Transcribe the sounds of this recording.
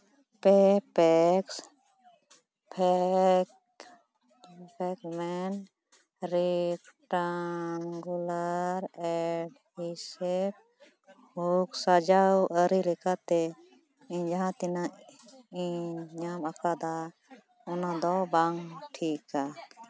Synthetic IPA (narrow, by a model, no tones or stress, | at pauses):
pɛpɛk | pʰ | pʰɛkmɛn | ɾikʈaŋɡulaɾɛɖ | hisɛb̚ | huksad͡ʒawəɾilɛkat̪ɛ | iɲd͡ʒaɦãt̪ɛna | iɲɲamakad̪a | ɔnad̪ɔbaŋʈʰika